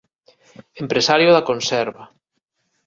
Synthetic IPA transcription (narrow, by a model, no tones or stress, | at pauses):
empɾesaɾjoðakonsɛɾβa